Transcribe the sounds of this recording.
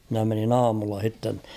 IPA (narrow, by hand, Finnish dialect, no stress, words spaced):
mĭnæ menin ɑːmulːɑ h̞itːen